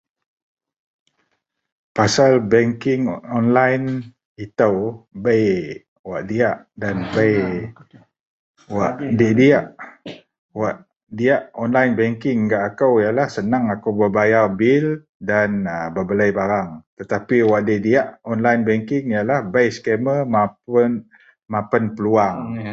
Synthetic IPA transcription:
pasalbɛŋkɪŋɔnlajn | it̪awbəj | waʔdiaʔ | danbəj | waʔdiʔdiaʔ | waʔ | diaʔɔnlajnbɛŋkɪŋɡaʔakawjalahsənaŋakawbəbajarbil | danəbəbəlajbaɾaŋt̪ət̪apiwaʔdiʔdiaʔɔnlajnbɛŋkɪŋjalahbəjskeməmap | mãpənpəluaŋ

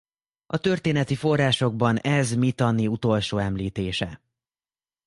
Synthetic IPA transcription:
ɒt̪ø̞rt̪eːnɛt̪ifo̞rːaːʃo̞ɡ̚bɒnɛzmit̪ɒnːiut̪o̞lʃoːɛmliːt̪eːʃɛ̰

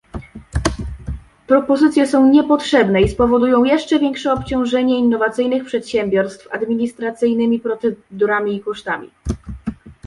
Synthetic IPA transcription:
pɾɔpɔzɘt̪sʲjɛsɔ̃w̃ɲɛpɔtʂɛbnɛispɔvɔd̪ujɔ̃w̃jɛʂt͡ʂɛvʲjɛŋkʂɛɔpt͡ɕɔ̃w̃ʐɛɲɛinːɔvat̪sɘjnɘxpʂɛt̪ɕɛmʲbʲjɔɾst̪fa̰d̪mʲiɲist̪ɾat̪sɘjnɘmʲipɾɔt̪ɛd̪uɾamʲiːkɔʂt̪amʲḭ

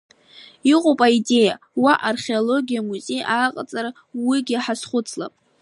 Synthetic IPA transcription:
iqʼopʼaide̞ja | waʔarχʲe̞olo̞ɡʲijamuze̞jaːqʼa̰t͡sʼaɾa | wiɡʲɪaħasχʷʊt͡sʰla̰pʼ

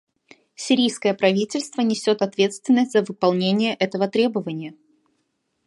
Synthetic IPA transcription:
sʲɪɾʲijskəjəpɾɐvʲitʲɪlʲst̪vənʲɪsʲo̞t̪ɐt̪vʲe̞t̪st̪vʲɪnːəsʲtʲzəvɨpɐlˠnʲenʲɪjəʔɛt̪əvət̪ɾʲe̞bəvənʲɪjə

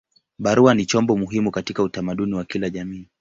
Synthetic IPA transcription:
ɓaɾuanit͡ʃɔmbɔmuɦimukatikautamaɗuniwakilaʄamiː

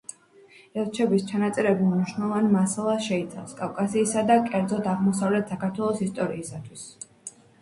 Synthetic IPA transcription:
ɛlˠt͡ʃʰɛbist͡ʃʰanat̪sʼɛɾɛbimniʃnɛlˠɔvanmasalˠasʃɛit̪sʰavfskʼavkʼasiːsad̪akʼɛɾd̪zɔd̪aʁmɔsavlɛt̪ʰsakaɾt̪ʰwɛlˠɔsist̪ʼɔɾiːsat̪ʰwis

